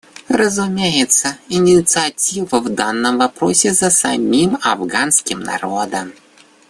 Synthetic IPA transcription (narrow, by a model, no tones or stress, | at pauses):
rəzumʲejɪt̪səinʲɪt̪sɨɐtʲivəvd̪anːəmvapɾosʲɪzɐsa̰mʲimavɡanskʲɪmna̰ɾod̪əm